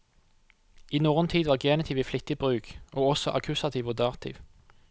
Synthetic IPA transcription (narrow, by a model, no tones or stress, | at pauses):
iːnuːʁnt̪ʰiːd̪ʋɑːʁɡeːnɪt̪ʰiːʋiːflɪt̪ɪbʁʉːkʔoːɔsɔʔɑkʰʉsɑt̪ʰiːʋoːd̪ɑːʁt̪ʰḭːʋ